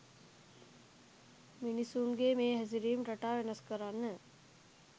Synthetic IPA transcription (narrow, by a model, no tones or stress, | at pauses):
minisunɡemeːɦɛs̬iɾiːmɾɐʈaːʋenɐskəɾanːə